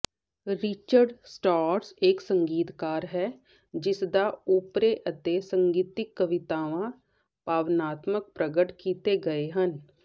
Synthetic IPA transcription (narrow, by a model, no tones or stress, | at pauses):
ɾɪt͡ʃəɾɖsʈaːɾseːksə̃ŋɡiːt̪kaːɾɦɛː | d͡ʒɪsd̪auːpɾeʔət̪esə̃ŋɡiːt̪ɪkːəʋɪt̪aːʋã | paːʋnaːt̪mək̚pɾəɡəʈkiːt̪eɡɐeɦən